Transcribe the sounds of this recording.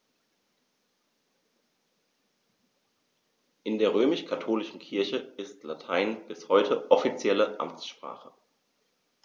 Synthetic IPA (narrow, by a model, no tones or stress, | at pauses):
ʔɪndeːɐʁ̞øːmɪʃkʰatʰoːlɪʃn̩kʰɪɐçəɪstlatʰaɪnb̥ɪshɔʏtʰəʔɔfit͡sjɛləʔa̰mt͡sʃpʁ̥a̰ːχə